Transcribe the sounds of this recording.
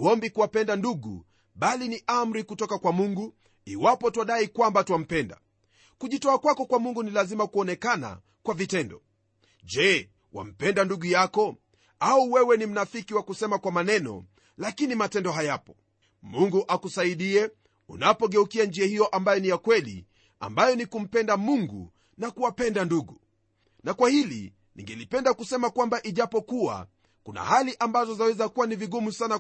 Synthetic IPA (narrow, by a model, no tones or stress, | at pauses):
ɔmbikuwapɛndanduɠṵ | ɓaliniʔam̩ɾikutɔkakwamuŋɡu | iwapɔtuwaɗaikwambatwam̩pɛnda̰ | kuʄitɔakwakɔkwamuŋɡunilazimakuɔnɛkana̰ | kwavitɛndɔ | ʄɛ | wa̰m̩pɛndanduɠujakɔ | auwɛwɛnim̩nafikiwakusɛmakwamanɛnɔ̰ | lakinimatɛndɔɦajapɔ | muŋɡuʔakusaiɗiɛ | ṵnapɔɠɛukiand͡ʒiahijɔʔambajɔnijakwɛlḭ | a̰mbajɔnikum̩pɛndamuŋɡṵ | nakuwapɛndanduɡu | nakwahilḭ | nḭŋɡɛlipɛndakusɛmakwambaʔiʄapɔkua̰ | kuna̰haliʔambazɔzawɛzakuwaniviɠumusana